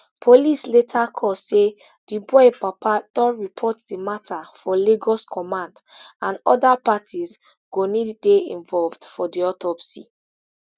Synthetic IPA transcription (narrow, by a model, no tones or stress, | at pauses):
pʰolisletʰakʰɔse | d̥ibɔɪpapʰatɔɹipʰɔtdimatʰafɔleɡɔskʰɔmãndãnɔ̰dapatʰiz | ɡ̥oniddeĩnvɔlvdfɔdiɔtɔpsḭ